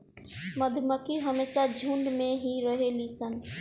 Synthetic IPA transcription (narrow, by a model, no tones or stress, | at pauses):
məd̪ʱməkiɦəmeːsad͡ʒʱũɳɖmẽɦiɾəɦelisən